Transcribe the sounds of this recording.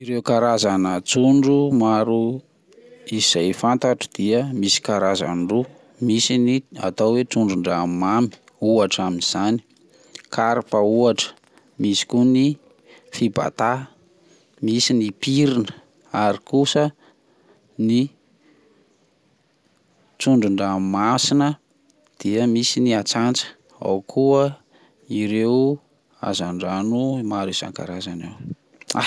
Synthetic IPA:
iɾewkaɾazanət͡suɳɖ͡ʐumaɾu | iz̥ajfant̪aʈ͡ʂəd̪̥iəmisi̥kaɾaza̰nɖ͡ʐu | misinia̰t̪awwet͡suɳɖ͡ʐuɳɖ͡ʐamami̥ | uaʈ͡ʂaminiz̥ani̥ | kaɾpauaʈ͡ʂə̥ | misi̥kuni | fiba̰t̪a | misinipiɾinə̥ | aɾikusə | ni | t͡suɳɖ͡ʐuɳɖ͡ʐamasinə | d̪̥iəmisiniat͡sant͡sə̥ | a̰wkʰuə | iɾew | a̰zaɳɖ͡ʐanumaɾisa̰ŋka̰ɾazanaw | a

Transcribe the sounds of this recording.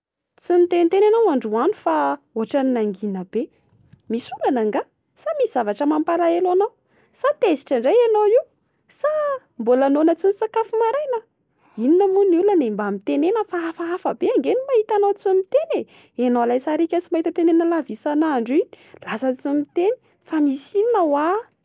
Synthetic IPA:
t͡simit̪enit̪enanawaɳɖ͡ʐuanu̥fa | oʈ͡ʂaninaŋɡinəb̥e | misulanaŋɡa | samisiz̥avaʈ͡ʂəmampalaelanaw | sat̪ezi̥ʈ͡ʂaɳɖ͡ʐajanoiw | sa | mbolanonət͡sinisakafumaɾajna | ininəmunilanembamit̪enenəfaafaafəbeaŋɡenimahit̪anawt͡simit̪ene | enowlajsaɾikʲət͡simaɦit̪ət̪enenəlavisanaɳɖ͡ʐi | lasət͡simit̪eni̥ | famisininawa

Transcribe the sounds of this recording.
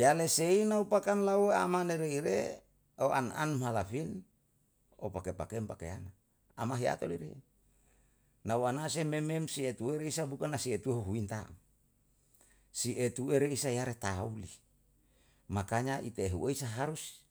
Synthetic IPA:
jaleseinaupakanlawea̰maneɾeiɾḛ | oʔa̰nʔa̰nmɦalafin | o̰pakepakempakḛanaː | maɦia̰t̪o̰liɾḛ | nawanasemememsiet̪ueɾeisabukanasiet̪uɦoɦuint̪aŋ | siʔet̪ueɾeisajaɾet̪auli | makaɲaʔit̪eɦṵʔeisaɦaɾus

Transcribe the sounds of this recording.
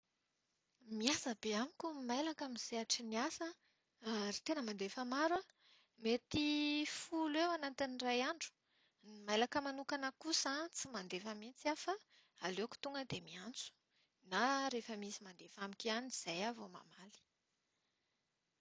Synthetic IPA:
miasəbeamikʲumajlakamiz̥eaʈ͡ʂiniasə | aɾit̪enəmand̪efamaɾa | met̪ifulwewanat̪inirajaɳɖ͡ʐu̥ | nimajlakəmanukanəkusãt͡simand̪efəmint͡siafa | aleku̥t̪uŋɡəd̪emiant͡su̥ | naɾefəmisimand̪efamikʲaniz̥ajavoma̰mali̥

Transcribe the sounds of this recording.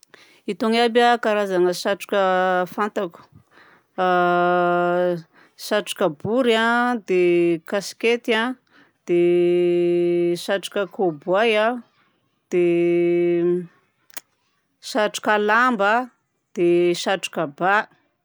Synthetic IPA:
it̪oŋabakaɾazaŋəʃaʈ͡ʂu̥kʲəfant̪aku̥ | ʃaʈ͡ʂu̥kəbuɾad̪ekasi̥ket̪ia | d̪̥e | ʃaʈ͡ʂu̥kʲəkobuwaja | d̪̥e | ʃaʈ͡ʂu̥kalambə | d̪̥eʃaʈ͡ʂu̥kəba

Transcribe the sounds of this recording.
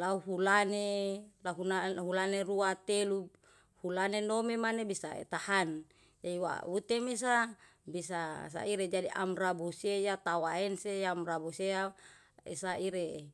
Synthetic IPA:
lauɦulanelaɦunaɦulaneruat̪elu | hulanenomemanebisa̰ḛt̪ahan | d͡ʒaiwa̰wut̪emes̬a | bisas̬a̰iɾed͡ʒadiʔa̰mrabusejat̪awaɛnsejamrabusea | ḛsaiɾe

